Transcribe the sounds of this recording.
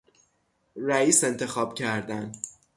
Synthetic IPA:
ræiːse̞nt̪ʰe̞xɒːb̥cʰæɾd̪æn

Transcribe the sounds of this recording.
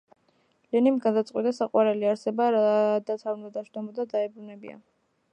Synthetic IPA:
lɛnimɡad̪at̪sʼqʼwit̪ʼasaqʼwaɾɛliaɾsɛbaɾad̪at̪ʰaɾund̪ad̪aʃd̪ɔmɔd̪ad̪aɛbɾunɛbḭa̰

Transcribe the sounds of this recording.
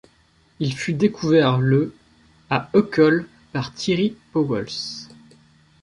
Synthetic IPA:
ilfyd̪ekʰuvɛʁlə | aɔkɔl | paʁt̪ʰiʁipɔwɔls

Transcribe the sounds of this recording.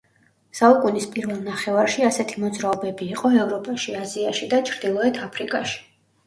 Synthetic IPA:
saukʼunispʼiɾvɛlˠnaχɛvaɾʃiasɛt̪ʰimɔd̪zɾaɔbɛbiːqʼɔɛvɾɔpʼaʃiaziaʃid̪at͡ʃʰɾd̪ilˠɔɛt̪ʰapʰɾikʼaʃi̥

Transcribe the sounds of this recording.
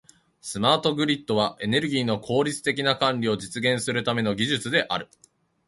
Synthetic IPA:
sɨmaːt̪o̞ɡɯ̟ɾʲit̪ːo̞β̞ae̞ne̞ɾɯ̟ɡʲiːno̞kʰo̞ːɾʲit͡sɨ̥t̪e̞kʲinakãnɾʲio̞d͡ʑit͡sɨɡẽ̞ɰ̃sɨɾɯ̟t̪ame̞no̞ɡʲiʑɨt͡sɨd̪e̞ʔa̰ɾɯ̟

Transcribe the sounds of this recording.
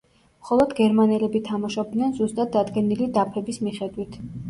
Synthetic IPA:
mχɔlˠɔd̪ɡɛɾmanɛlɛbit̪ʰamaʃɔb̚d̪nɛnzust̪ʼad̪̚ːad̪ɡɛnilid̪apʰɛbismiχɛd̪wit̪ʰ

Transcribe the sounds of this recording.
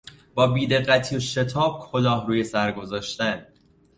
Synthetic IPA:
b̥ɒːbiːd̪e̞ɢːæt̪ʰiːoʃe̞t̪ʰɒːb̥̚kʰo̞lɒːhruːje̞sæɾɡo̞zɒːʃt̪æn

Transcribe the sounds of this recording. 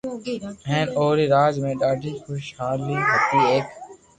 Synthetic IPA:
ɦẽːnoːɾiːɾaːd͡ʒmẽːɖaːɖiːkʊʃhaːliːɦət̪iːeːk

